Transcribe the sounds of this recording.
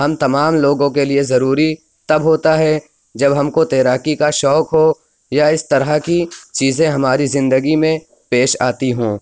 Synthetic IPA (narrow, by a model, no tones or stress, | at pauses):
ɦɐmt̪ɐmaːmloːɡõkeliezɐɾuːɾi | t̪ɐbɦoːt̪aɦɛ | d͡ʒɐbɦɐmkot̪ɛːɾaːkikaʃɔːkɦoː | jaɪst̪ɐɾəkit͡ʃiːzẽɦɐmaːɾizɪ̃nd̪əɡimẽ | peːʃa̰ːt̪iɦõː